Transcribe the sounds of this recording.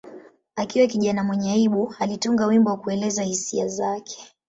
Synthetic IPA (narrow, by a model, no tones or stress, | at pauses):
akiwɛkiʄanamwɛɲaiɓualituŋɡawimbɔwakuɛlɛzahisiazakʰɛ̥